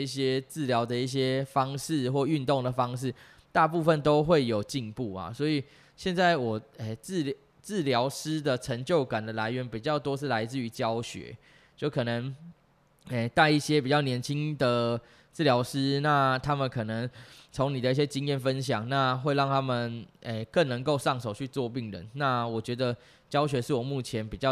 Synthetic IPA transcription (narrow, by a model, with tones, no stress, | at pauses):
i˥˩ɕjɛ˦t͡sɹ̩˥˩ljɑ˧˥ʊd̪ə˨i˥˩ɕ̬jɛ˦˥fɑ˦ŋʂɻ̩˥˨xwɔ˥˧y˥˧nt̪o˥˨˩ŋd̪ə˩fɑ˥˦ŋʂɻ̩˥˩ | t̪a˥˧pu˥˧fə˥˨nt̪o˥ʊxwe˥˩ɪjo˨˩ʊt͡ɕi˥˧npu˥˩a̰˩sɔ˧˦˥i˨˩ | ɕjɛ˥˧nt͡sa˥˩ɪwɔ˨˩e˥˩t͡sɹ̩˥˨ | t͡sɹ̩˥˨ljɑ˧˥ʊʂɻ̩˥d̪ə˨ʈ͡ʂʰə˧˦ŋt͡ɕjo˥˩ʊka˨˩nd̪ə˩la˧˥ɪɥɛ˧˥npi˨˩t͡ɕjɑ˥˩ʊt̪wo˥ʂɻ̩˥˩la˧˥ɪt͡sɹ̩˥˩y˧˥t͡ɕjɑ˥ʊɕɥɛ̰˧˥˦ | t͡ɕjo˥˩ʊkʰɤ˨˩nə˨˦ŋ | e˥˩t̪a˥˧ɪi˥˩ɕjɛ˦pi˨˩t͡ɕjɑ˥˩ʊnjɛ˧˥nt͡ɕʰi˦ŋd̪ə˨ | t͡sɹ̩˥˩˨ljɑ˧˥ʊʂɻ̩˥na˥˩t̪ʰa˥mə˨nkʰɤ˨˩nə˧˦ŋt͡sʰo˧˥ŋni˨˩d̪ə˦i˥˩ɕjɛ˦˥t͡ɕi˦ŋjɛ˥˩nfə˦nɕjɑ˨˩ŋna˥˧xwe˥˧ɪɑ˥˩ŋt̪ʰa˥mə˨ne˧˩kə˥˩ŋnə˧˦ŋko˥˧ʊʂɑ˥˩ŋʂo˨˩ʊt͡ɕʰy˥˧t͡swɔ˥˧pi˥˩ŋɻə̰˧˦nna˥˨wɔ˨˩t͡ɕɥɛ˧˥d̪ə˧ | t͡ɕjɑ˥ʊɕɥɛ˧˥ʂɻ̩˥˩wɔ˨˩mu˥˩t͡ɕʰjɛ˧˦npi˨˩t͡ɕjɑ˥˨